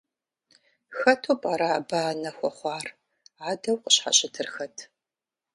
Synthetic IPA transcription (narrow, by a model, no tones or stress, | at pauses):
xɐtʰoːpʼaɾaːbaːnɐxʷɔχʷɑːr | aːdɐwqʼəɕħa̰ɕʼɪtʰɨrxɐtʰ